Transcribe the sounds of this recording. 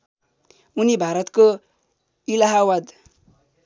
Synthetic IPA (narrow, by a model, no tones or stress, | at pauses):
unibʱaɾʌt̪ko | ilaɦawʌd̪